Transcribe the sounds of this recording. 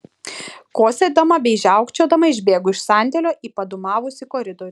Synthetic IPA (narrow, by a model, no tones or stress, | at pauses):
koːsʲɛd̪ɐmɐbʲɛɪʒʲæˑʊkt͡ʃʲoːd̪ɐmɐɪʒʲbʲeːɡʊɪʃsɑˑnʲd̪ʲɛlʲoːʔiːpɐd̪ʊmɑːʋʊsʲɪkɔːɾʲɪd̪ɔɾʲɪ